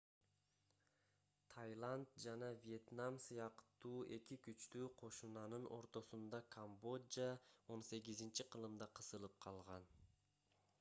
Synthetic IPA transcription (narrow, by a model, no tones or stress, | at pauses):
t̪ʰajlˠand̪d͡ʒɑnɑvʲije̞t̪namsɯjɑqt̪uːʔe̞kikyt͡ʃt̪yːqʰo̞ʃunɑnɯnʔo̞̰ɾt̪o̞sund̪ɑkʰambo̞dao̞nse̞ɡizint͡ʃiqʰɯlˠɯmd̪ɑqʰɯsɯlˠɯp̚qʰɑlˠʁɑn